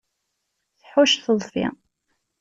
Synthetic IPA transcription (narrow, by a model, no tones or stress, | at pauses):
θħwæʃθəðˤfḭ